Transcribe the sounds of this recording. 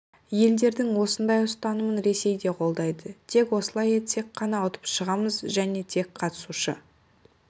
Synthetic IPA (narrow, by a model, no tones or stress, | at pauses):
je̞ld̪e̞ɾd̪ɪŋwo̞sənd̪ɑjʊst̪ɑnəmənɾe̞se̞jd̪e̞qʰo̞lˠd̪ɑjd̪ət̪ʰe̞kwo̞səlˠɑjet̪ʰe̞kːɑnɑʊt̪ə̥pʃəʁɑməzʒæne̞t̪ʰe̞k̚qʰɑt̪ə̥suʃə̰